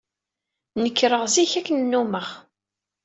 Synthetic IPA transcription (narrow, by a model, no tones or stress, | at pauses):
nəkːɾəʁziçækːənnːuməʁ